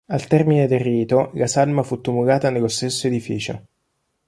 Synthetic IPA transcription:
alt̪ɛrmined̪erːiːt̪olasalmafut̪ːumulaːt̪anelost̪esːoed̪ifḭːt͡ʃo̰

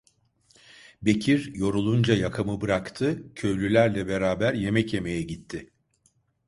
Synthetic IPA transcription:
be̞cʰiɾjo̞ɾulˠund͡ʒajakʰamɯbɯɾakt̪ʰɯcʰø̞jlʲylʲæɾlʲɛbe̞ɾaːbæɾje̞mɛcje̞me̞jɛɟit̪ʰːɪ

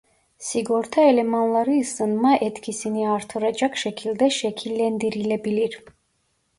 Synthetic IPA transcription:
siɡɔɾt̪ʰaɛlɛmanlˠaɾisənmaʔɛt̪ʰkʰisiniaɾt̪ʰɔɾat͡ʃakʰʃɛkʰild̪ɛʃɛkʰilɛnd̪iɾilɛbiliɾ

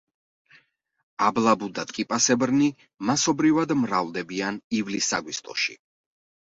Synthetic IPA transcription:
ablˠabud̪at̪ʼkʼipʼasɛbɾni | masɔbɾivad̪mɾavlˠd̪ɛbianivlisːa̰ɡwist̪ʼɔ̰ʃḭ

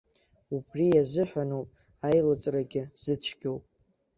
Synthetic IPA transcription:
upʰrijazɨħʷᶣanowpʼ | ajlat͡sʼraɡʲɪz̥ɨt͡ʃʷʰɡʲowpʼ

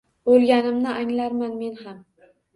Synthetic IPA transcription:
bolˠɡʲanɪmnɪʔaŋlaɾmanme̞nham

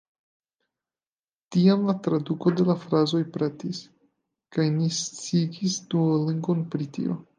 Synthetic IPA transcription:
tiamlatɾaduko̞de̞lafɾazo̞jpɾatis | kajnist͡siɡisduoliŋɡo̞npɾitḭo̰

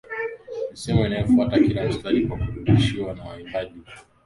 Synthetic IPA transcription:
nisɛmainajɔfuatakilam̩stalikwakuɾudiʃiwanawa̰itaʄi

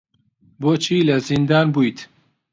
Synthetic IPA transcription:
boːt͡ʃʰiːlɐzind̪aːnbuːjt̪

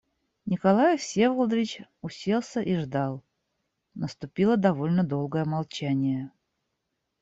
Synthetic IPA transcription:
nʲɪkɐlˠajəfsʲevəlˠd̪əvʲɪt͡ɕʊsʲelˠsʲəʔiʐd̪ɑlˠ | nəst̪ʊpʲilˠəd̪ɐvo̞lʲnəd̪o̞lˠɡəjəmalˠt͡ɕænʲɪjə

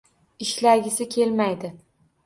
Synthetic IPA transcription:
ɪʃlaɡʲɪsɪkʲʰe̞lmajd̪ɪ

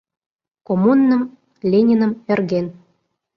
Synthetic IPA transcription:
komunːə̆m | lʲenʲinə̆mĕrɣen

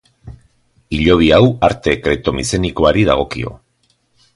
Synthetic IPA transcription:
iʎo̞β̞iawaɾt̪e̞kɾe̞t̪o̞mise̞niko̞aɾiðaɣ̞o̞kio̞̰

